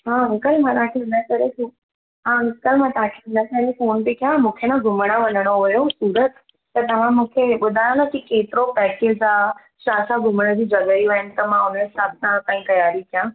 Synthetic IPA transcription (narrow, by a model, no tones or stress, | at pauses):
ɦãʊ̃kəlmãt̪ãkʰenəkəɾeku | ɦãmɪskəlmãt̪ãkʰenəkəɾefoːnbikjãmũːkʰenãɡʱʊmɽ̃ãʋənəɽ̃oɦoɦjoɦsuːɾət̪ | t̪ət̪ɐʋ̤ãmũːkʰeɓʊd̪ʱaɽ̃anakikeːt̪ɪɾopɛːkeːd͡ʒa | ʃaːsaɡʱʊməɽ̃əd͡ʑĩd͡ʒəɠəjũɦɪnɪ̆t̪əmãʊnẽsaːb̚nakãːĩkɐjaːɾikjã